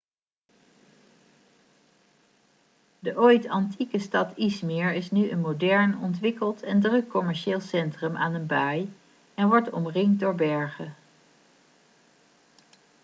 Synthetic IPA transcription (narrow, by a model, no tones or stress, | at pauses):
dəʔojtɑntʰikəstɑtismɪɹɪsnyʔənmodɛɹnɔntʋɪkəlˠtʰɛndrɵkːɔmɛɹʃɪːlˠsɛntrəmʔa̰ːnənbaj | ɛnʋɔɹtɔ̰mrɪŋ̚dʊːɹbɛɹχə